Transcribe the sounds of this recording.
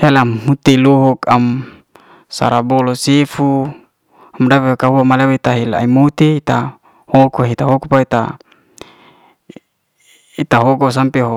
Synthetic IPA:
helamhut̪iluɦɔkam | sa̰ɾabɔlosefu | amdapeakaɦuamaleweit̪aɦila̰imut̪eit̪a | hokoɦit̪aɦokupait̪a̰ | it̪aɦokos̬ampeɦo

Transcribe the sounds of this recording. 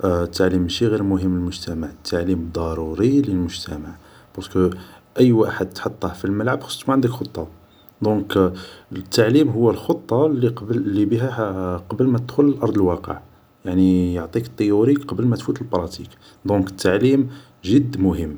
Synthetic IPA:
ʔt̪ːaʕlimʃiɣiɾmʊɦəmːləlmʊʒt̪ʰæmaʕət̪ʰːaʕlimd̪ˤɑɾˤuɾiləlmʊʒt̪ʰæ̰maʕ | b̥ɑɾskəʔəjːwaħəd̪t̪ħot̪ˤːɑhfilməlʕəbxə̥st̪muʕənd̪əkxot̪ˤːɑ | d̪ɔ̃k | t̪ːaʕlimɦʊwːælxot̪ˤːɑliqblːibiɦæqɑbəlmæt̪əd̪̥xʊllʔɑɾˤd̪ˤəlwɑqə̰ʕ | jaʕnijoʕt̪ˤikə̥t̪ˤːəjuɾiqɑbəlmæt̪fut̪əlbɾˤɑt̪ḭk | d̪ɔ̃kə̥t̪ʰːaʕlim | ʒəd̪ːmʊhəmː

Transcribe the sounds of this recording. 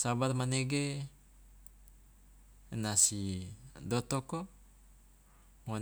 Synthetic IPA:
sabarmaneɡe | nasidot̪oko | wa

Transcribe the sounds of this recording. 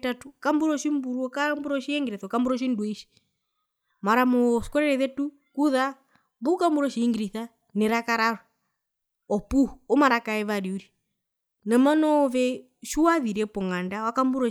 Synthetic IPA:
tatukambuɾɔʃimbuɾuɔkambuɾɔʃiɛŋɡiɾɛθɔkambuɾɔʃ̬induiʃi̥ | maɾamɔskɔɾɛɾɛðɛtu | kuða | bukambuɾɔʃiiŋɡiɾiθa | nɛɾakaɾaɾɔ | ɔpuhuɔmaɾakaɛβaɾiuɾi | nɛmanɔːβɛ | ʃuwaðiɾɛpɔŋandawakambuɾɔ

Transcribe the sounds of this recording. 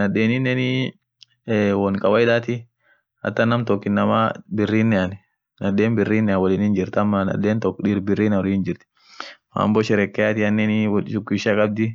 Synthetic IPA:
nɐdeːnɪnːɛnɪ | wɔnkʼɐwɐɪd̪aːt̪ɪ | hɐ̰t̪ːɐnːɐmt̪ɔkːɪnːɐma̰bɪrːiːnːɛɐn | nɐdeːnbɪrːiːnːɛawɔliːnɪnd͡ʒɪɾt̪ɐmːɐnɐ̰deːnt̪ɔkːᶑiɾbɪrːiːnɔlɪɪnd͡ʒɪɾt̪ɪ̥ | ma̰ːmbɔʃɪɾɛkːɛjat̪ɪɐnːɛnɪwʃʊkːʊɪʃakʼɐb̚d̪ɪ

